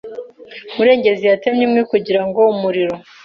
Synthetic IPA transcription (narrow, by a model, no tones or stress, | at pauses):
muɾe̞ːɲɟe̞zijatemɲimŋikuɟiɾaŋɡo̞umuɾiɾo̞